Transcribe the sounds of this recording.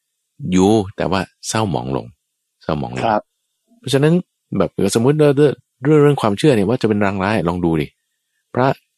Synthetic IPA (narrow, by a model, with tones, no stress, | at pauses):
juː˧t̪ɛ̰ː˨˩waː˥˩sa˥˩wmɔ̰ː˩˦ŋlo̰˧ŋ | sa˥˩wmɔ̰ː˩˦ŋlo̰˧˦ | pʰɔ˦˥˩t͡ɕʰa˧na˦˥n | bɛː˨˩p̚ka˧˩so˩˦mːu˦˥t̪̚lɯː˥˩lɯ˥˩ | du˥˩ŋɾɯ˥˩əŋkʰwaː˧mt͡ɕʰɯ˥˩ɐni˥˩ɐwaː˥˩t͡ɕa˨˩pe˧nɾaː˦˥ŋɾaː˦˥jʔlɔː˧ŋduː˧dḭ˨˩ | pʰɾa˦˥